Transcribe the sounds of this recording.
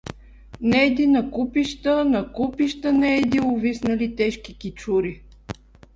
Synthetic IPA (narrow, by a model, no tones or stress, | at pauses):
nɛd̪inɐkupiʃt̪ənɐkupiʃt̪ənɛːd̪iʊvisnəlit̪ɛʃkikʲit͡ʃuɾi